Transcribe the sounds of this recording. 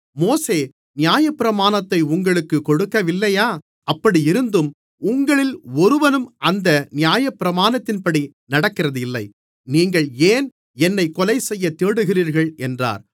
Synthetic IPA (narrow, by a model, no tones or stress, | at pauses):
moːseː | nɪjaːjɐpːɪɾɐmaːnɐt̪ːɐɪʊŋɡɐɭɯkːɯkɔɽɯkːɐʋɪlːɐjaː | ɐpːɐɽijɪɾɯnd̪ɯm | ʊŋɡɐɭɪlɔɾɯʋɐnɯmʔɐnd̪ɐnɪjaːjɐpːɪɾɐmaːnɐt̪ːɪnpɐɽi | nɐɽɐkːɪrɐðɪlːɐɪ | niːŋɡɐɭeːn | ɛnːɐɪkːɔlɐɪsɛjːɐt̪eːɽɯɣɪriːɾɣɐɭɛndra̰ːɾ